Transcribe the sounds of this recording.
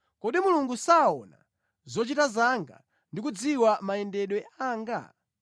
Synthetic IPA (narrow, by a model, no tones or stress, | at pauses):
kɔɗimuluŋɡusaɔna̰ | zɔt͡ʃitazaŋɡa̰ | ndik̬ud͡ziwamajɛndɛɗwɛaːŋɡa̰